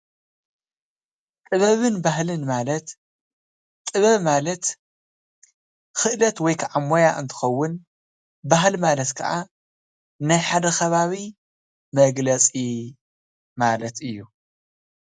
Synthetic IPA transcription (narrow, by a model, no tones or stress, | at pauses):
t̪ʼɨβɐβɨnbahlɨnmalɐt̪ | t̪ʼɨβɐβmalɐt̪ | xɨʔlɐt̪wɔjkʰaʕamːojaʔɨ̰nt̪ʰɨ̥xɐwːʊn | baɦlmalɐt̪kʰɐʔa | najħad̪ɐxɐβaβi | mɐɡlɐt͡sʼi | malɐt̪ɨjːu